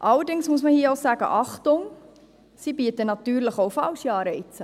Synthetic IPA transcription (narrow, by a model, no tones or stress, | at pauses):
ʔɑləɾdɪŋsmuəsməhiəoʊsæːɡ̥ə̰ʔɑχtʊŋ | sibiːətənɑtyːɾləχoʊfɑlʃiɑːɾɛɪt͡sə